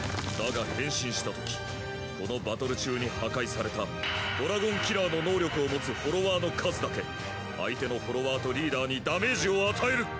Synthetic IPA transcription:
d̪aɡahẽ̞ɰ̃ɕĩɰ̃ɕi̥t̪at̪o̞kʲi̥ | ko̞no̞bat̪o̞ɾɯ̟t͡ɕɨːɲ̟ihakaisaɾe̞t̪ad̪̥o̞ɾaɡõ̞ŋkʲiɾaːno̞no̞ːɾʲo̞kɯ̟o̞mo̞t͡sɨho̞ɾo̞βaːno̞kʰazɨd̪ake̞ | a̰it̪e̞no̞ho̞ɾo̞βaːt̪o̞ɾʲiːd̪aːɲ̟id̪ame̞ʑio̞at̪ʰae̞ɾɯ̟

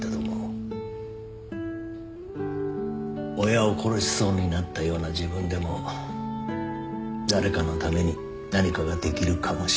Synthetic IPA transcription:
ed̪omo | ojao̞kʰo̞ɾo̞ɕi̥so̞ːɲ̟inat̪ːajo̞ːnaʑibɯ̟̃nd̪e̞mo̞ | d̪aɾe̞kano̞t̪ame̞ɲ̟i | naɲ̟ikaɡad̪e̞kʲiɾɯ̟kʰamo̞ɕ

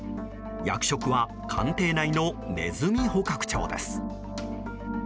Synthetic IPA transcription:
ja̰kɯ̟̥ɕo̞kɯ̟βa | kʰã̰nt̪e̞ːnaino̞ne̞zɨmʲiho̞kakɯ̟̥t͡ɕo̞̰ːd̪e̞̰sɨ̥

